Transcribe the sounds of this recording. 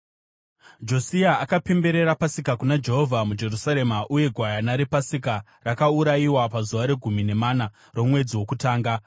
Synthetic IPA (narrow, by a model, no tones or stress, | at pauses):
d͡ʒo̞siaːkape̞mbe̞ɾe̞ɾapasikakunad͡ʒe̞ɦovʱamud͡ʒe̞rusaɾe̞maʔuje̞ɡʱwajanaɾepasika | rakauɾaiwapazuʋaɾe̞ɡʱumine̞maːna | ro̞mwe̞d͡ziwo̞kutaːŋɡa